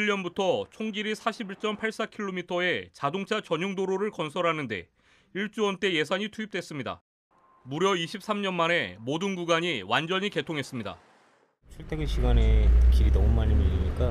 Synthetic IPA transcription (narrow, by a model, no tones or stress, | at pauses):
iʎːʌnbutʰʌt͡ɕʰoŋɡiɾisʰaɕʰibiɭt͡ɕ͈ʌmpʰaɭs͈akʰiɭːomitʰʌe̞t͡ɕadoŋt͡ɕʰat͡ɕʌɲuŋdoɾoɾɯɭkʌnsʰʌɾɦanɯnde̞̰ | iɭt͡ɕ͈uʌnt͈e̞je̞sʰaɲitʰuip̚t͈we̞s͈ɯmɲida̰ | muɾjʌiɕʰip̚s͈amɲʌnmane̞modɯnɡuɡaɲiwand͡ʑʌɲike̞tʰoŋɦe̞s͈ɯmɲida̰ | t͡ɕʰuɭtʰeɡɯɕʰiɡanekiɡinʌmumaɲimiʎiɲik͈a